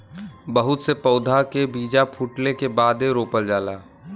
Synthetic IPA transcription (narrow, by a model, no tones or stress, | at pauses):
bəɦʊt̪sepəːd̪ʱakebiːd͡ʒapʰuːʈlekebaːd̪eɾoːpəld͡ʒaːla̰ː